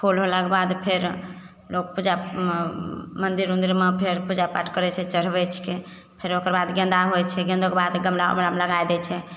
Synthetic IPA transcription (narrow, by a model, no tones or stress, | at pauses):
pʰolɦolakebad̪pʰeɾ | lok̚pud͡ʒa | mənd̪iɾũnd̪iɾmepʰeɾpud͡ʒapaʈʰkəɾɛt͡ʃʰɛt͡ʃəɾ̤bɛt͡ʃʰke | pʰeɾokəɾbad̪ɡə̃nd̪aɦojt͡ʃʰɛɡẽnd̪okebad̪ɡəmɾa̰mɾameləɡajd̪ɛt͡ʃʰɛ